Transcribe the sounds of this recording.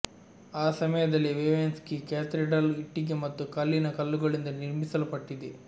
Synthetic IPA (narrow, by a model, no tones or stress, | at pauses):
aːsɐmɐjɐd̪ɐlːiʋeːʋenskekeːt̪ɾiɖɐliʈːiɡemɐt̪ːukɐlːinɐkɐlːuɡɐɭind̪ɐniɾmisɐlupɐʈːid̪e